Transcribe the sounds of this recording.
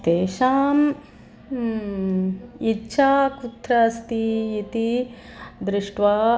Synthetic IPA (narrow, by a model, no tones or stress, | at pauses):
t̪eːʃaːm | itːʃʰaːkut̪ːɾɐːst̪iit̪i | d̪ɾɪʂʈʋaː